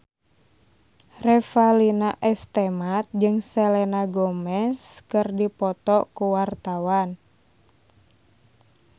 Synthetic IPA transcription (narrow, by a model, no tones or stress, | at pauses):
rɛfalinaʔɛst̪ɛmat̪̚d͡ʒɨŋsɛlɛnaɡɔmɛskɨrdipɔt̪ɔkuwart̪awan